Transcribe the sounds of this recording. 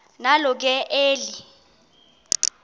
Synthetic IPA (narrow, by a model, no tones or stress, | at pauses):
nalɔk̬ɛʔeːli